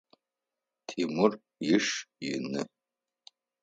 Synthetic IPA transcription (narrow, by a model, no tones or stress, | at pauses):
tʰimur | jɪʂjɪnɨ